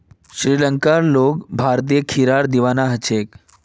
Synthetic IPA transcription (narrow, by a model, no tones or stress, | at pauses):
ɕɾiləŋkaɾlokbʱaɾt̪̬ijəkʰiɾaɾd̪iʋanaɦət͡ɕʰek